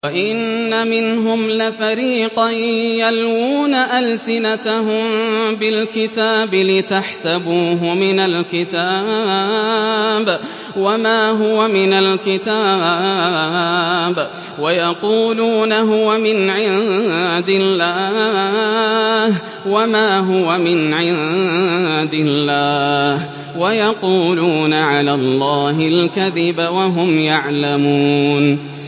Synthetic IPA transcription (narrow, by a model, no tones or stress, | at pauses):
waʔɪnːamɪnɦʊmlɪfaɾiːqɑjalwuːnaʔalsɪnat̪aɦʊmbɪlkɪt̪aːbɪlɪt̪aħsabuːɦʊmɪnalkɪt̪a | b | wamaːɦʊwamɪnalkɪt̪aː | b | wajɑquːluːnaɦʊwamɪnʕɪðd̪ɪlːaː | h | wamaːɦʊwamɪnʕɪð | d̪ɪlːaːh | wajɑquːluːnaʕalaːlˤːɑːɦɪlkaðɪbawaɦʊmjaʕlamuːn